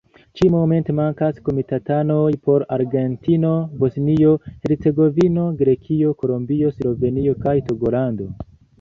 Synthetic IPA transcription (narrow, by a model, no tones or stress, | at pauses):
t͡ʃimome̞ntemaŋkasko̞mitatanojpo̞ɾaɾɡe̞ntino̞bo̞snio̞he̞ɾt͡se̞ɡo̞vino̞ɡɾe̞kʰio̞ko̞lombio̞slove̞nio̞kajto̞ɡo̞lando̞̰